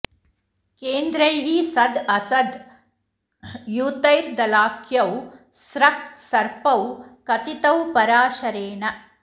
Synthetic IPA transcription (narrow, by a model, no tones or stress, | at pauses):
keːnd̪ɾɐjɦisɐd̪ɐsɐd̪ | juːt̪ɐjɾd̪ɐlaːkʰjɐw | sɾɐk̚t̪sɐɾpɐwkɐt̪it̪ɐwpɐɾaːʃɐɾeːnɐ